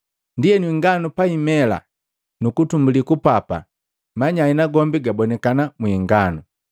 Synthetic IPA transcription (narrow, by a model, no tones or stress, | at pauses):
ndijɛnwiŋɡanupaimɛla̰ | nukutumbulikupapa̰ | maɲainaɡɔmbiɡabɔnɛkanamwiŋɡanu